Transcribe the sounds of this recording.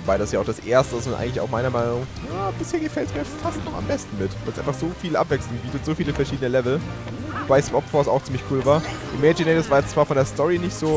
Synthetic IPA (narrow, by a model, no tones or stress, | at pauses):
obaɪɾasjaːaʊxd̥asʔeːɐstə̥ɪsmanʔa̰ɪŋlɪçaʊxmaɪnɐmaɪnʊŋjaːb̥ɪsheːɐɡəfɛltsmiːɐfastnɔχa̰mbɛstn̩mɪtv̥aɪlsʔaɪnfaχz̥oːfiːləʔapv̥ɛkslʊŋbiːtətz̥oːfiːləfɛɐʃiːdənəlɛvl̩ | vobaɪspɔpfɔɐsa̰ʊxt͡siːmlɪçkʰuːlvaːɐʔɪmɛd͡ʒɪnɛtsv̥aːɐjɛt͡st͡sv̥aːɐfɔndeːɐstɔʁinɪçtz̥oː